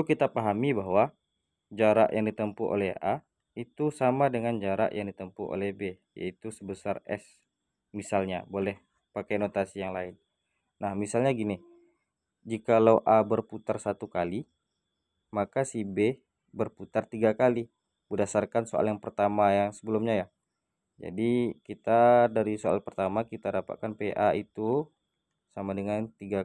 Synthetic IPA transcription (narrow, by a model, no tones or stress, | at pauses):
kit̪apaɦamibaɦwa | d͡ʒaɾa̰ʔjʔaŋdit̪əmpuʔo̰lɛha | it̪usamadəŋand͡ʒaɾa̰ʔjaŋdit̪əmpuʔo̰lɛhbe | ja̰it̪usəbəsarɛ̰s | misalɲa̰bolɛh | pakajnot̪asijaŋlaɪn | nahmisalɲaɡini | d͡ʒikalawʔabərput̪arsat̪ukali | makasibe | bərput̪art̪iɡakali | bədasarkansoa̰ljaŋpərt̪amajaŋsəbəlʊmɲajah | d͡ʒa̰dikit̪adaɾisoa̰lpərt̪amakit̪adapa̰t̪̚kanpeʔait̪u | samadəŋant̪iɡa